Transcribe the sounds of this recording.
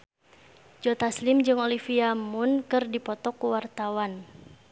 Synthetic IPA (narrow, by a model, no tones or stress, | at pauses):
d͡ʒɔt̪aslɪmd͡ʒɨŋolifiamʊnkɨrdipɔt̪ɔkːuwart̪awan